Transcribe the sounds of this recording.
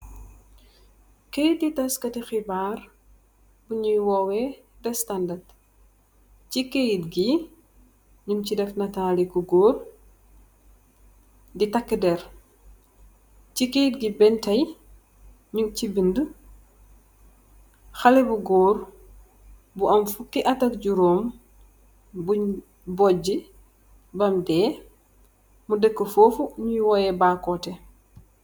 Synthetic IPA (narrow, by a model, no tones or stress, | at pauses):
kejit̚ditɐskɐtixibar | buɲujwɔwɛ | dɛstɐndɐrd | cikejit̚ɡi | ɲumcidɛfnɐtaːlikuɡoːr | ditɐkːədɛr | cikejit̚ɡibɛntɐj | ɲucibində | xɐlɛbuɡoːr | buʔɐmfukːiʔɐtɐk̚ɟuɾoːm | bu | bɔɟi | bɐmdɛː | mudɛkːəfoːfuɲuwɔjɛbaːkɔtɛ